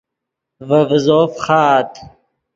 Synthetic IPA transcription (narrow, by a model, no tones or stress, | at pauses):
vəvzoːfχaːt̪